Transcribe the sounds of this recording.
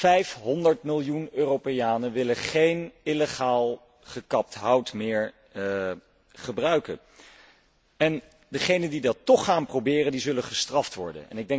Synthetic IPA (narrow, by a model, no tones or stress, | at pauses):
fɛjfɦɔndəɹtmɪlˠjunøːropejaːnənʋɪləχejnɪleχaːlˠ | χəkɑp̚tɦɑwtmɪːɹ | χəbrœɥkə̰n | ɛn | dəχejnəndidɑtːɔχːaːnprowbɪːrəndizɵləχəstrɑftʋɔ̰ɹdə̰nɛ̰nɪɡ̚dɛ